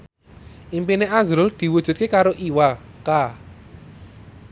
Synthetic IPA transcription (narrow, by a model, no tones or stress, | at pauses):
ʔimpineazɾʊld̪̥i̤wud̥ʒ̥ṳt̪̚kekaɾoʔiwaka